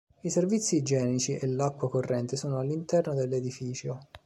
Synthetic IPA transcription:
iservit̪sːid͡ʒɛːnit͡ʃiʔelːakːwakorːɛnt̪esoːnoalːint̪ɛrnod̪elːed̪ifiːt͡ʃo

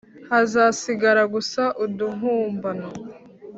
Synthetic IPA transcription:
hazasiɡaɾaɡusaʔuduɦuːmbana

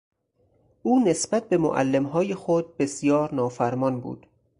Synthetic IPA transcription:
ʔuːne̞sbæt̪̚be̞mo̰ʔæ̰lːemɦɒːjexod̪̚be̞sijɒːɾnɒːfæɾmɒːnbṵːd̪̥

